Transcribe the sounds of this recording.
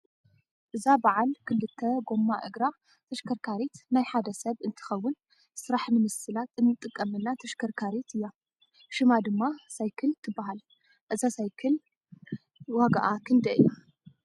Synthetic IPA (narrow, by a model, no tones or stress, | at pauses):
ʔɨzabaʕalkʰɨlːɨt̪ʰːɐɡo̞mːaʔɨɡɾa | t̪ʰɐʃkʰɐɾkʰaɾet̪najħad̪ɐsɐβɨnt̪ʰɨ̥xɐwːʊn | sɨɾaħmɨmɨsɨlat̪ɨnːɨt̪ʼɨkʼːɐmɨnːat̪ʰɐʃkʰɐɾkʰaɾet̪ɨjːa | ʃɨmad̪ɨmːasajkʰɨlt̪ʰɨbːaɦal | ʔɨzasajkʰɨl | waɡaʔakʰɨnd̪ɐʔɨ̰jːa